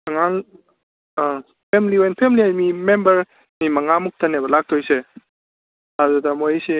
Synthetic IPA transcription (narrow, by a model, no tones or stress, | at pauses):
saŋaŋ | pʰemliojnpʰemliajmimembɐɾ | mimaŋamuk̚tʰanebɐlak̚tʰojse | adudamojse